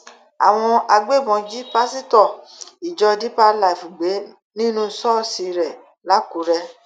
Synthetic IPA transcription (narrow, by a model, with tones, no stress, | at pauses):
a̰˨w̃ɔ̃˧a˧ɡ͡be˦˨bɔ̃˨˧d͡ʒi˦pa˦si˦tɔ˦˨i˨d͡ʒɔ˧di˦pa˦la˨i˨fu˨ɡ͡be˨˦ | nĩ˦nũ˦sɔ˦si˧ɾɛ˨ | la˨˦ku˨˦ɾɛ˧